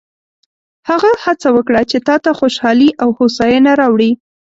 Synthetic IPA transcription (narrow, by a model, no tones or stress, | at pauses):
haɣahat͡sawəkɽat͡ʃet̪ɑt̪axoʃɑliʔawhosɑjənaɾɑwɽi